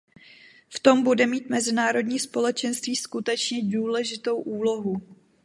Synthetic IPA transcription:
ft̪o̞mbudɛmiːt̪mɛzɪnaːɾo̞dɲiːspo̞lɛt͡ʃɛnst̪viːskut̪ɛt͡ʃɲɛduːlɛʒɪt̪o̞wʔuːlo̞ɦu

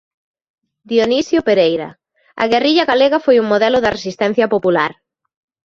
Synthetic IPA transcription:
d̪jonisjʊpeɾejɾɐ̰ | ɐ̰ɣeriʎɐɣaleɣɐfojuŋmoðɛlʊðɐresist̪ɛn̟θjɐpopulaɾ

